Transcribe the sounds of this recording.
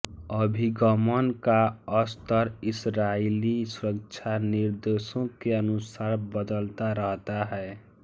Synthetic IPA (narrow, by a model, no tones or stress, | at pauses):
əbʱiɡəmənkaəst̪əɾɪsɾailisuɾəkt͡ʃʰaniɾd̪esõkeənusaːɾbəd̪əlt̪aɾəɦt̪aɦɛe